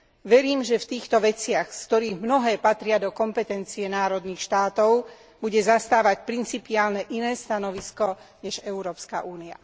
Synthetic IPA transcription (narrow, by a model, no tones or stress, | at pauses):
ʋɛɾiːmʒɛft̪iːxt̪ɔʋɛt͡sɪaxskt̪ɔɾiːɣmnɔɦɛːpat̪ɾɪad̪ɔkɔmpɛt̪ɛnt͡siɛnaːɾɔd̪niːxʃt̪aːt̪ɔʊ | buɟɛzast̪aːʋacpɾint͡sipiaːlnɛʔinɛːst̪anɔʋiskɔɲɛʒɛʊɾɔːpska̰ʔuːnia̰